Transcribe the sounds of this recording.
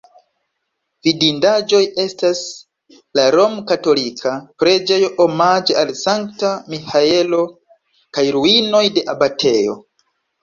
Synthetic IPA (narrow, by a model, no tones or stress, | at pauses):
vidindad͡ʒo̞je̞stas | laɾo̞mkato̞likʰapɾe̞d͡ʒejoʔomad͡ʒeʔalsaŋktamihae̞lo̞ | kajɾuino̞jde̞ʔabatʰe̞jo̞̰